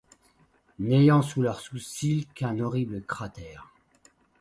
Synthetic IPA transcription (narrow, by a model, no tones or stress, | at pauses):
nejɑ̃sulœʁsusilkɛ̃nɔʁibləkχat̪ɛːʁ